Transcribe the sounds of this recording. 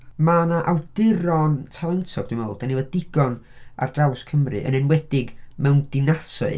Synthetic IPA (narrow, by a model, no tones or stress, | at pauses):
manaʔawdɪɾɔntʰalˠɛntʰɔɡ̚duməlˠd̥anivɛdɪɡɔna̰rd̥rawskʰəmrɨ̰ʔə̰nɛnwɛdɪɡmɛwnd̥ɪnasɔ̰ɨ